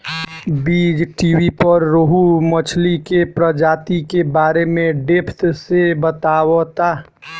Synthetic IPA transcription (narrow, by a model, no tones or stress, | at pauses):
biːd͡ʒʈiːwipəɾːoɦumət͡ʃʰlikepɾəd͡ʒaːt̪ikebaːɾemẽɖepʰt̪sebət̪aːwot̪aː